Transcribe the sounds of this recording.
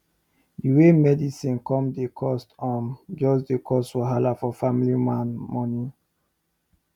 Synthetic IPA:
diwemɛdisĩnkɔ̃mdekʰɔstɔ̃md͡ʒɔsdekʰɔstwɔɦalafɔfamilimãnmɔni

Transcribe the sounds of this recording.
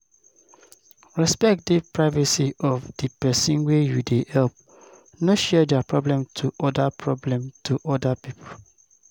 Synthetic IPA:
ɹɛspɛk̚dipɹaɪvasiɔvd̥ipɛsĩnwejudehɛlp̚ | noʃɛdapɹɔblɛ̃mtʰuʔɔdapɹɔblɛ̃mtʰuʔɔdapipʰo

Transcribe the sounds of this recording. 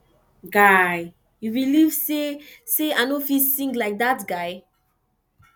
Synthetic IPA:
ɡaj | juɹiliv̥seseanofisĩŋklaɪk̚datɡaɪ

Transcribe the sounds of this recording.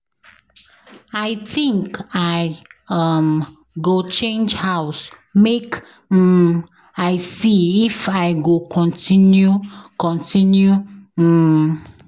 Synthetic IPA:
aɪtĩŋkaɪam | ɡot͡ʃẽnd͡ʒhaʊs | mek̩ | aɪsiifaɪɡokʰɔ̃ntĩnjukɔ̃ntĩnju

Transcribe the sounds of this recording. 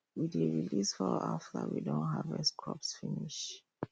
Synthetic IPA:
wideɹilisfɔaftəwidõnɦavɛskʰɹɔpsfiniʃ

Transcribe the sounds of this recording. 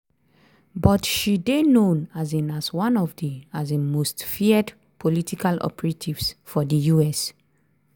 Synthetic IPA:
bɔtʃidenõnazĩnaswãnɔvdiazəmostfiəd | pʰolitʰikalɔ̰pɛɹatʰivsfɔdəjuɛs

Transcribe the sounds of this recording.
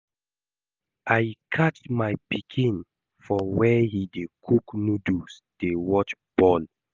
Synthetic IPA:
ajkʰat͡ʃmajpikʰĩn | fɔwɛhidekʰuknudus | d̥ewɔt͡ʃb̥ɔ̃n

